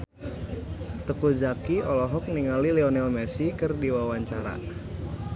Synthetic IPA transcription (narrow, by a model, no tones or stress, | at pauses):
t̪əkuzakiɔlɔɦɔk̚niŋalilɛɔnɛlmɛsikərdiwawaɲt͡ʃaɾa̰